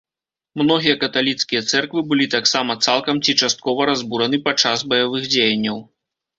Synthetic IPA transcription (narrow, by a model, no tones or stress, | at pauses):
mnɔɣʲijɐkɐt̪alʲit̪skʲijɐt̪sɛrkvɨbɨlʲit̪aksamɐt̪salˠkɐmt͡sʲit͡ʂast̪̚kɔvɐɾazbuɾɐnɨpat͡ʂazbɐjavɨxd͡zʲejɐnʲːɐw